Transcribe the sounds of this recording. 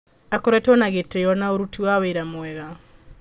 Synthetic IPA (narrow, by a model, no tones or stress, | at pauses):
akɔɾɛtɔnaɣetejɔnaoɾutiwaweiɾamwɛɣa